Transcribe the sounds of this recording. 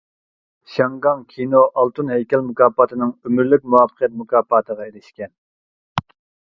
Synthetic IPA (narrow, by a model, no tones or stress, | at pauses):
ʃɑŋɡɑŋkʲʰinoʔɑlˠt̪ʰunɦhɛjkʲʰɛlmukʰɑːpʰɑt̪ʰɨnɨŋømyɾlɪk̚ʲmuwɑːpʰə̥qʰjɛt̪̚mukʰɑːpʰɑːt̪ʰəʁɑeɾɪʃkʲɛn